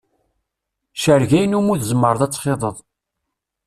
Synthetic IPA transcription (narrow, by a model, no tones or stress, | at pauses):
ʃəɾʝæjənumuðzəmːəɾˤəðˤæt͡sːχeðˤəðˤ